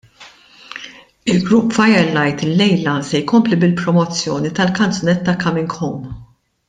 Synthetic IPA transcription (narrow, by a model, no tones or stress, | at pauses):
ɪlɡɾupːfɐjɛɾlːɐjt̪ɪlːɛjlɐsɛjkɔmplibɪlpɾɔmɔt͡sːjɔːnit̪ɐlkɐnt͡sɔnɛt̪ːɐkɐmɪŋkɔm